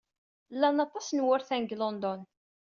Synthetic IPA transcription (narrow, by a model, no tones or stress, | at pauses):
lːænɑt̪ˤːɑsnwʊɾθænɡlond̪ɔn